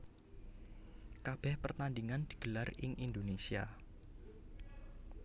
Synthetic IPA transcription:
kab̥ɛhpərt̪andiŋand̪̥i̤̥ɡ̥əlarɪ̰ŋʔind̪onesia̰

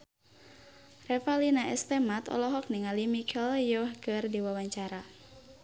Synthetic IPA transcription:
rɛfalinaʔɛst̪ɛmat̪ɔ̰lɔɦɔk̚niŋalimikʰɛljɔhkɨrdiwawaɲt͡ʃaɾa

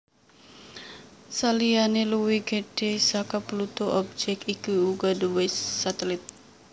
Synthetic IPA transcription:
salianeluwiɡeɖesakaplut̪oʔɔb̚d͡ʒɛkikuuɡaduwesːat̪ɛlit̪̚

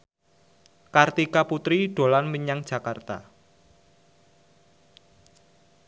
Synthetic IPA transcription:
kart̪ikaput̪ɾiɖ̥o̤lanmiɲaŋd̥ʒ̥ä̤kart̪a̰

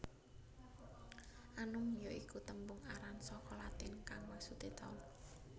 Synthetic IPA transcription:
ʔanʊŋjoikut̪əmbʊŋaɾansɔkɔlat̪ɪnkaŋwaksut̪it̪ɔ̰l

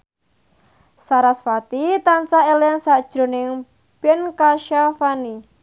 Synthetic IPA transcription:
saɾasfat̪it̪ansaelansad̥ʒ̥ɾo̤nɪŋ | b̥ɛnkaʃafani

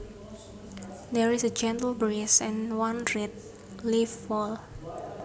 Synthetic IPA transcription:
d̪ɛɹisəd͡ʒɛ̃ntəlbɹesɛ̃nwãnɹɛt̚ | lifːɔl

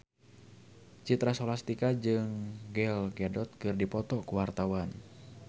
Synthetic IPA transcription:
t͡ʃit̪ɾasɔlast̪ikad͡ʒɨŋɡɛlɡɛdɔt̪̚kɨrdipɔt̪ɔkuwart̪awan

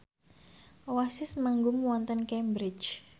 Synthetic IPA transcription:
wasɪsmaŋɡʊmuwɔnt̪ənkɛmbɾɪt͡ʃ

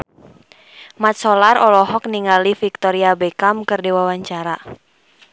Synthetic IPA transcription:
mat̪̚sɔlarʔɔlɔɦɔk̚niŋalifik̚t̪ɔɾiabɛkamkɨrdiwawaɲt͡ʃaɾa

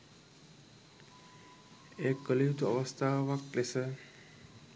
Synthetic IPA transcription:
ekːəlit̪ə̰ʋəst̪ʰaʋaklese

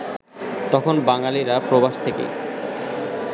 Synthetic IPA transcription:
t̪ɔkʰonbaŋaliɾapɾobaʃt̪ʰekḛ

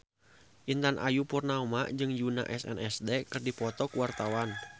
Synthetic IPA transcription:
ʔint̪anʔa̰jupɔrnaumaʔd͡ʒɨŋjuna̰ʔɛsɛ̰nɛsdɛkɨrdipɔt̪ɔkuwart̪awan

